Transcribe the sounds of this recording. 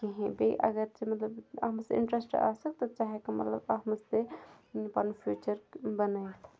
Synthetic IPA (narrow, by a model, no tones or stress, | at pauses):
kiɦẽbeʔɐ̰ɡəɾt͡ʃemɐt̪ləbɐɦmsḭɳʈɾesʈa̰sək̚t̪ɔt͡ʃaɦekemɐ̰t̪lə̰bɐɦməst̪e | pɐnpʰjut͡ʃəɾbənət̪ʰ